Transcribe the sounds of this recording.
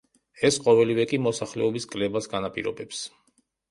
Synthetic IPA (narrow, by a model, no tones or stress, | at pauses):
ɛsqʼɔvɛlivɛkʼimɔsaχlɛ̰ɔbiskʼlɛbasɡanapʼḭɾɔ̰bɛps